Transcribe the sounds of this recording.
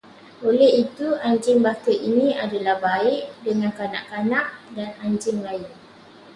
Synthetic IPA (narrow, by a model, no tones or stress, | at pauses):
olɛhit̪uaɲd͡ʒɪmbakəinĩadalahbaɪʔdəŋãnkana̰ʔkanaʔdanaɲd͡ʒɪmlaɪn